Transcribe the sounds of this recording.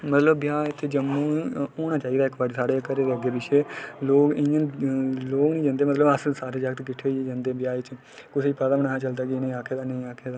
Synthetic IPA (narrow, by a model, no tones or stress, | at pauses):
mət̪ləbbjaːɪt̪ʰːeːd͡ʒəmũːoːñaːt͡ʃaːiːd̪aːɪkbəɖsaːɽeːkəɾeːd̪eːəɡeːbɪʃʰeːloːɡɪ̃ãloːɡnĩːd͡ʒãːnd̪eːmət̪ləbəssaːt̪ʰed͡ʒaːɡət̪kɪʈʰːeːid͡ʒãːnd̪eːbjaːet͡ʃ | kʊsiːpəd̪aːmənaːaːt͡ʃəld̪aːɡinẽĩːaːkʰeːd̪aːnəĩːaːkʰeːd̪aː